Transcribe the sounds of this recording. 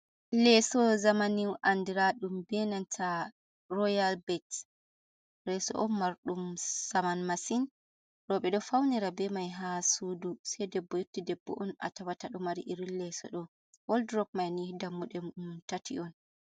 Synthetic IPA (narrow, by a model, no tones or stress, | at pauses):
lɛsɔzamaniwʔandiɾaɗumbɛnantʰa | rɔjalbɛt | ɾɛsɔ̰ʔɔnːaɾɗumsamanmasin | ɾɔɓɛɗɔfawniɾabɛmajɦasudusɛjdɛbːɔjutːidɛbːɔ̰ʔɔna̰tawataɗumaɾiʔiɾillːɛsɔ̰ɗɔ | wɔldɾɔp̚majnidamːuɗɛmumtatʰiʔɔn